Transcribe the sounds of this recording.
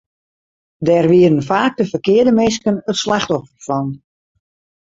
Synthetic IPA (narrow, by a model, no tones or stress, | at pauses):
dɛrʋiədənfaːk̚dəfərkɪːərdəmɪs̬kənətslaxtɔfərfɔn